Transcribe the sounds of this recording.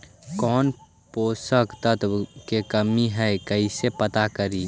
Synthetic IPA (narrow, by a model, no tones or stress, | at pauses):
kɔːn | posəkt̪ət̪wkekəmiɦɛɪkəɪsepət̪akəɾi